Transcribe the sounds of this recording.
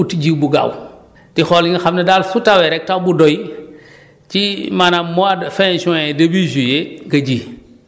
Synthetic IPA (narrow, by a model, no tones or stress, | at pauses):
utiɟiːbuɡa̰w | tixɔlŋɡɐxamnɐdalsutawɛɾɛk̚tawbudɔj | cimanamɔadfɛnsɔ̃ɛdebizujeɡɐɟiː